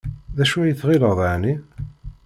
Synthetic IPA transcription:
ðæʃujəθʁiləʁðˤaʕni

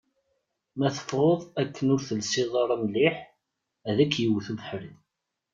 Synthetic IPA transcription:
mæθə̥fʁoðˤækʰːənʊɾθəlsiðˤɑɾˤɑmliħ | æðækːjiwθuðəħɾəð

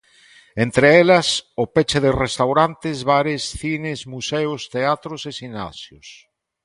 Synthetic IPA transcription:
ent̪ɾeelɐsopet͡ʃeðerest̪awɾant̪ezβaɾesθinezmuseʊst̪eat̪ɾosesina̰sjʊs

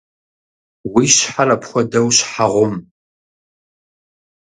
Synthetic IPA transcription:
wiːɕħarɐpxʷɔdɐwɕħaʁʷʊm

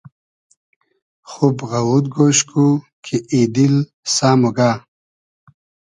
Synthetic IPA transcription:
χubɣawud̪̚ɡoɕku | kʰeʔid̪il | saːmuɡaː

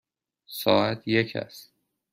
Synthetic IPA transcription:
sɒːæt̪ʰjecʰæ̰st̪

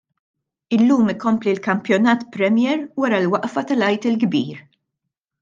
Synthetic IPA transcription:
ɪlːuːmɪkɔmplilkɐmpjɔnɐːt̪pɾɛmjɛːɾwɐɾɐlwɐʔfɐt̪ɐlɐjt̪ɪlɡbiːɾ

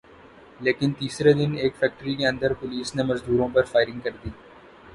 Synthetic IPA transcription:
leːkɪnt̪iːsɾed̪ɪneːkfɛːk̚ʈəɾikeɐ̃nd̪əɾpʊliːsnemɐzd̪uːɾõpɐɾfaːɪɾɪ̃ŋɡkɐɾd̪iː

